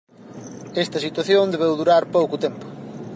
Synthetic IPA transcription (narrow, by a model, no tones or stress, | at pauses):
ɛst̪ɐsit̪waθjõnd̪eβ̞ewðuɾaɾpowkʊt̪empʊ̥